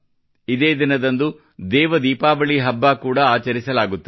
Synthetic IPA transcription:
id̪eːd̪inɐd̪ɐnd̪u | d̪ɛːʋɐd̪iːpaːbɐɭiɦɐbːaːkuːɽɐːt͡ʃɐɾisɐlaːɡut̪ːu

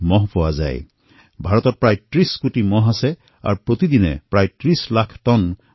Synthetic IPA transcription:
mɔɦpɔwaza̰j | bʱaɹɔt̪ɔt̚pɹajʈɹiskuʈimɔɦasɛ | a̰ɹpɹot̪id̪inɛ̰pɹajʈɹislakʰʈɔn

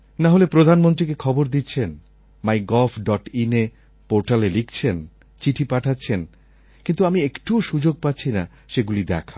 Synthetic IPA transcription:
naɦolepɾod̪ʱanmont̪ɾikekʰɔboɾd̪itːt͡ɕʰen | majɡɔlfɖɔʈine | poɾʈalelikʰt͡ɕʰen | t͡ɕiʈʰipaʈʰatːɕʰen | kint̪uamiekʈuʃud͡ʑoɡ̚patːɕʰina | ʃeɡulid̪ɛkʰa

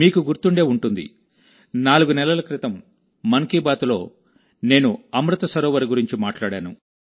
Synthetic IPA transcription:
miːkuɡuɾt̪uɳɖe̞ːuɳʈund̪ḭ | naːluɡunɛlɐlɐkɾit̪ɐmː | ɐŋkiːbaːt̪ulo̞ː | ne̞ːnuɐmɾut̪ɐsɐɾɔːʋɐɾiɡuɾiɲt͡ʃimaːʈlaːɽaːnṵ

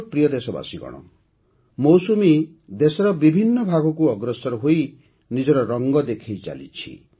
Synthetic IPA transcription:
pɾijɔd̪esɔba̰siɡɔ̰ɽ̃ɔ̰ | mowsumi | d̪esɔɾɔbibʱinːɔbʱaɡɔkuɔɡɾɔsɔɾɔɦoi | nid͡ʒɔɾɔɾɔŋɡɔd̪ekʰejt͡ʃa̰lḭt͡ʃʰḭ

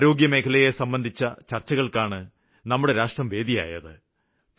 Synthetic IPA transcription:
ɾo̞ːɡjɐme̞ːkʰɐlɐje̞sɐmbɐnd̪ʱit͡ɕːɐt͡ɕɐrt͡ɕːɐɣɐɭkaːɳɨ | nɐmːuɽe̞ɾaːʂʈrɐmʋe̞ːd̪ija̰ːjɐ̰ðɨ

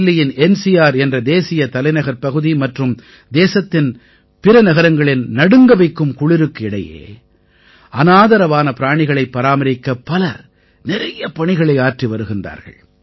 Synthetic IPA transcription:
lːɪjɪnɛnsɪjaːɾɛndrɐd̪eːsɪjɐt̪ɐlɐɪnɐɣɐɾpɐɣɯðimɐʈrɯm | d̪eːsɐt̪ːɪn | pɪɾɐnɐɣɐɾɐŋɡɐɭɪnnɐɽɯŋɡɐʋɐɪkːɯmkʊɭɪɾɯkːɯɪɽɐ̰jḛː | ʔɐnaːðɐɾɐʋaːnɐpɪɾaːɳɪɣɐɭɐɪpːɐɾaːmɐɾɪkːɐpːɐlɐɾ | nɪɾɐjɐpɐɳɪɣɐɭɐɪaːʈriʋɐɾɯɣɪndra̰ːɾɣɐ̰ɭ

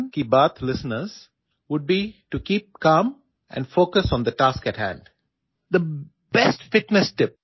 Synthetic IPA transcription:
nkibaːt̪ʰlɪsənəɾz̥ | ʋʊɖ̚biʈukiːp̚kãːm | ʔɛ̰̃ɳnɖfoːkəsɔ̃nd̪əʈaːskɛʈhæ̰̃ɳɖ | d̪ə | b̥ɛsʈfɪʈnɛsʈɪp̚

